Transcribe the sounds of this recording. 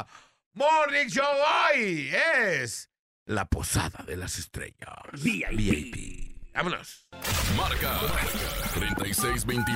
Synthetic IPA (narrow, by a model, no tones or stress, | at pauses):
morikʃoojes | lapo̞sa̰ðaðelasest̪ɾḛʎasbiajpḭa̰mono̰smaɾka | t̪ɾent̪ajsejzbejnt̪i